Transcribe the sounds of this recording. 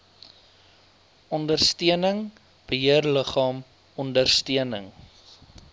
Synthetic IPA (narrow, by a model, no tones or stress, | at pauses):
ɔndərstiənəŋ | b̥əɦiərləχɑːm | ɔndərstiənəŋ